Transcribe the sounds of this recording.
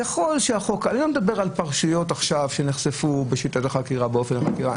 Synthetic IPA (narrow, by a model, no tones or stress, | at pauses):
jaχo̞lʃeaχo̞kanilomed̪abe̞ʁalpaʁʃujo̞taχʃavʃeneχsefubeʃitataχakiʁabeo̞fenaχakiʁa